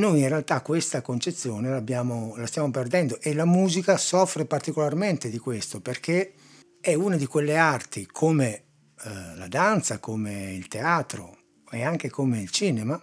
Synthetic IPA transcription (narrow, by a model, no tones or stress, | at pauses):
noːjinrealt̪akːwest̪akont͡ʃet̪sːjoːnelabjaːmolast̪jaːmoperd̪ɛnd̪oʔelamuːzikasɔfɾepart̪ikolarment̪ed̪ikwest̪operkʰe | ɛuːnad̪ikwelːeart̪ikʰome | la̰d̪ant̪sakomeilt̪eaːt̪ɾo̰ | eaŋk̟ekomeilt͡ʃiːnema